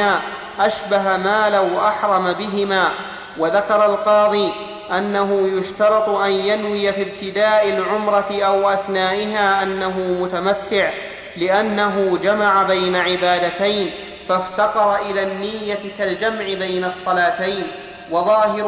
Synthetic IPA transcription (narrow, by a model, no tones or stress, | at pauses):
aː | ʔaʃbaɦamaːlawʔaħɾˤɑmabɪɦɪmaː | waðakɑɾˤɑlqɑːðˤiː | ʔanːaɦʊjʊʃt̪ɑɾˤɑt̪ˤʔanjanwɪjafib̚t̪ɪd̪aːʔɪlʕʊmɾˤɑt̪ɪʔawʔaθnaːʔɪɦaːʔanːaɦʊːmʊt̪amat̪ːɪʕ | lɪʔanːaɦʊd͡ʒamaʕabajnaʕɪbaːd̪at̪ajn | faft̪ɑqɑɾˤɑʔɪlaːnːijːakald͡ʒamʕɪbajnɑsˤːɑlaːt̪ajn | wɑðˤɑːɦɪɾ